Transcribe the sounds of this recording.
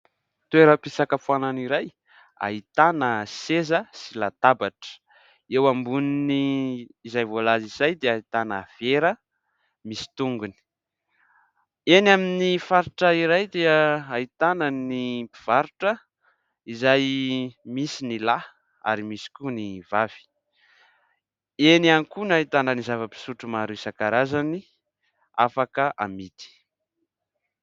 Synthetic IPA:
t̪ueɾəpisakəfuananiɾaj | a̰ɦit̪anəsezəsilat̪abaʈ͡ʂə̥ | ewambuniniːzajvolaziz̥ajd̪eait̪anəv̥eɾə | misi̥t̪uŋɡuni̥ | enaminifaɾiʈ͡ʂəiɾajd̪eəait̪anənipiv̥aɾuʈ͡ʂə | izajmisinila | a̰ɾimisi̥kunivav̥i̥ | enanikunait̪anənizavəpi̥suʈ͡ʂumaɾusakaɾazani | afakəʔa̰mit̪i̥

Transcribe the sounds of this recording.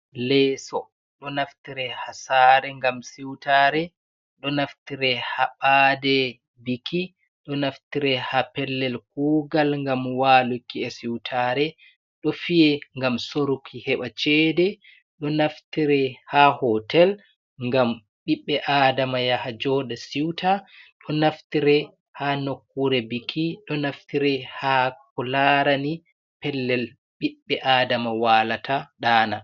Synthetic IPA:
lɛsɔ | ɗɔnaftiɾɛhasaɾɛŋɡamsiwtaɾɛ | ɗɔnaftiɾɛhaɓadɛ | bikʰi | ɗɔnaftiɾɛhapɛlːɛlk̚uːɡalŋɡamwaːlukːiɛsiwtʰaɾɛ | ɗɔfijɛŋɡamsoɾukʰihɛɓat͡ʃɛdɛ | ɗɔnaftiɾɛhahɔtɛl | ŋɡam | ɓiɓːɛʔaːdamajahad͡ʒɔːɗasiwtʰaɗɔnaftiɾɛ | hanokːuɾɛbikʰːiɗɔnaftiɾɛhakɔlaɾani | pɛlːɛl | ɓiɓːɛʔaːdamawaːlatʰaɗaːna

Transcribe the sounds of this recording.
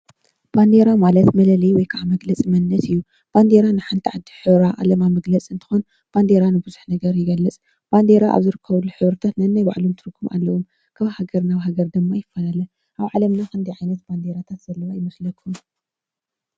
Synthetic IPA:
b̥and̪eɾamalɐt̪mɐlɐlɐjwɔjkʰaʕamɐɡlɐt͡sʼimɐnːɐsɨjːu | b̥and̪eɾanɨħant̪ʰiʕad̪ːiħɨβɾaʔa̰lɐmamɐɡlɐt͡sʼɨnt̪ʰɨ̥xon | b̥and̪eɾanɨbɨzuħnɐɡɐɾjɪɡɐlːɨt͡sʼ | b̥and̪e̞ɾaʔa̰βzɨɾɨkʰːɐβluħɨβɾɨt̪ʰat̪nɐɨnːajba̰ʕlumt̪ʰɨɾɨkʰːumʔa̰lːɐwom | kʰaβhaɡɐɾnaβɦaɡɐɾd̪ɨmːajɪfːɐlalɐ | ʔaβʕalɐmnakɨnd̪ijʕajnɐt̪b̥and̪eɾat̪ʰat̪z̥ɐlːɐwajɪmɐslɐkʰːum

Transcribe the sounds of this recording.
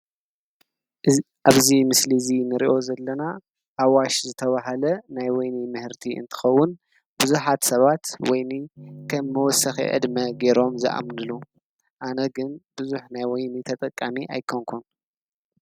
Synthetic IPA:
ʔaβzimɨslizinɨɾiʔo̞zɐlːɐna | ʔːwaʃzɨt̪ʰɐβaɦɐlɐnajwɔjnimɨhɨɾt̪ʰiʔɨ̰nt̪ʰɨ̥xɐwːʊn | b̥ɨzuħat̪sɐβat̪wɔjnikʰɐmːɨwɔsɐxḭʔɨ̰d̪mɐɡe̞ɾo̞mzɨʔa̰mnɨlu | ʔanɐɡɨnbɨzuħnajwɔjnit̪ʰɐt̪ʼɐkʼːamiʔa̰jkʰoŋkʰun

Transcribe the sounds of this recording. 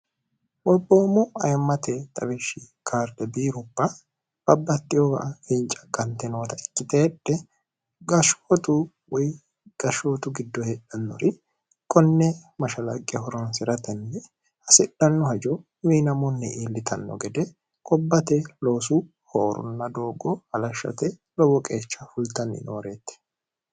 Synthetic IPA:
wɔbːoːmʊɐjɐmːɐt̪ɛt̪ʼɐ̰wɛʃɪ | kʰaːɾd̪ɛbiːɾʊbːɐ | b̥ɐbːɐt̪ːɪjɔɡɐʔɐfɪnt͡ʃʼːɐ̥kɐnt̪ɛnoːt̪ɐɪkʼːɪt̪eːᶑːɛ | ɡɐʃoːt̪ʊ | wɔj | ɡ̥ɐʃoːt̪ʊɡɪd̪ːɔhɛᶑɐnːɔ̰ɾɪ | kʼɔnːɛmɐʃɐlɐkʼːɪɐhɔɾɔnsɪɾɐt̪ɛnːɛ | hɐsɪɗɐnːɔhɐd͡ʒɔ | miːnɐmɔnːɛ̰ʔiːlːɪt̪ʰɐnːɔ̰ɡɛd̪ɛ | kʼɔbːɐt̪ɛlo̞ːsu | hoːɾʊ̰nːɐd̪o̞ːɡɔɐlɐʃːɐ̰t̪ɛlɔwɔkʼe̞ːt͡ʃːɐfʊlt̪ɐnːɪ̰noːɾeːt̪ːɛ̥

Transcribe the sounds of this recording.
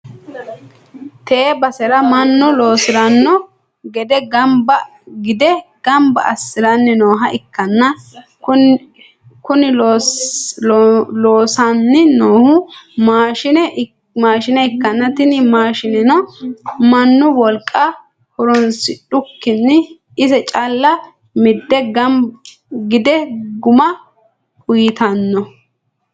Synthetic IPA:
t̪eːbɐsɛɾɐmɐnːʊlo̞ːsɪɾɐnːɔ | ɡɛd̪ɛɡɐmbɐ | ɡɪd̪ɛɡ̥ɐmbɐ̰ʔɐsːɪɾɐnːɪnoːɦɐʔɪkːɐnːɐ | kʊ | kʊnɪ | loːsɐnːɪnoːhʊmaːʃɪnɛ | maːʃɪnɛɪkːɐnːɐt̪ɪnɪmaːʃɪnɛnɔmɐnːʊwɔlkʼːɐ | hɔɾɔnsɪɗʊkːɪnːɪ | ɪsɛt͡ʃʼalːɐ | mɪd̪ːɛɡɐm | ɡɪd̪ɛɡʊmɐ | kʊjɪt̪ɐnːɔ

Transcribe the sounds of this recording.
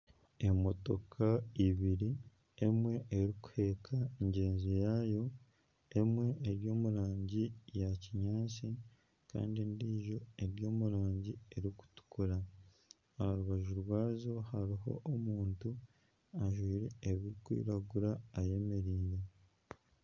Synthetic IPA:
e̞mo̞to̞kʰaiβiɾi | e̞mwe̞ʔeɾiku̥he̞kʰaeɲɟe̞ːnzijajo̞ | emwe̞ːɾjo̞ːmuɾaːɲɟijaciɲaːsi | ka̰ːndindiːʒo̞e̞ɾjo̞ːmuɾaːɲɟie̞ɾiku̥tu̥kuɾa | ahaɾuβaʒuɾwaːzo̞haɾiɦo̞̰ʔomuːntu | aʒwiːɾe̞ːβiɾikwḭːɾaɡuɾaːje̞me̞ɾiːɾe̞

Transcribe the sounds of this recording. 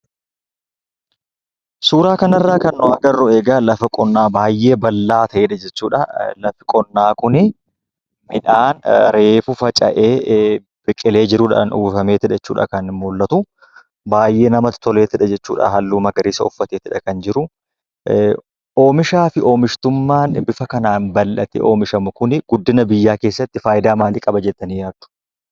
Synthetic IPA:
suːɾaːkɐnɐrːaːkɐnːɔɐɡɐrːʊeːɡɐlɐfɐkʼɔnːaːbaːjːe̞ːbɐlːaːt̪ʰɐʔeːᶑɐd͡ʒɛt͡ʃːuːᶑɐlɐfɪkʼɔnːaːkʊnɪ | mɪᶑaːnɾe̞ːfʊfɐt͡ʃʼɐ̰ʔeː | b̥ɪkʼɪle̞ːd͡ʒɪɾʊːᶑɐɐnʔṵːbfɐme̞ːt̪ɪᶑɛt͡ʃːṵːᶑɐ̰kɐnmʊlːɐt̪ʊ | baːjʔe̞ːnɐmɐt̪ːɪ̥t̪ɔleːt̪ɪᶑɐd͡ʒɛt͡ʃːṵːᶑɐ̰ɦɐlːuːmɐɡɐɾiːsɐɔfːɐt̪eːt̪ɪᶑɐkɐnd͡ʒɪɾʊ | ʔoːmɪʃaːfɪʔo̞ːmɪʃt̪ʊmːaːnbɪfɐkɐnaːnbɐlːɐt̪ɛ̰ʔo̞ːmɪʃɐmʊkʊnɪɡ̥ʊd̪ːɪnɐbɪjːaːke̞ːsːɐt̪ːɪfaːjɪd̪aːmaːlɪkʼɐbɐd͡ʒɛt̪ːɐnijaːt̪ːʊ̥

